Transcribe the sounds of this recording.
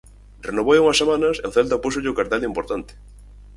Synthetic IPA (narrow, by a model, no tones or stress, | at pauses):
renoβojuŋɐsːemanɐseoθelt̪apus̬oʎɪokaɾt̪ɛlimpoɾt̪ant̪ɪ̥